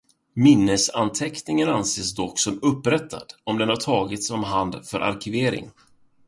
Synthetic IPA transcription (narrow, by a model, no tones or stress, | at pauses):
mɪnːəsant̪ʰɛknɪŋənanseːsd̪ɔkːsɔmɵpːɾɛt̪ʰːa̰d̪̥ɔmd̪ɛnhaʈʰɑːɡɪt̪sɔmɦand̪fœɾʔa̰ɾkʰɪveːɾɪ̰ŋ